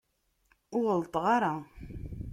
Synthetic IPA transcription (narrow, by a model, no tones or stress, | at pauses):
ʊʁəlt̪ˤʁɑɾˤa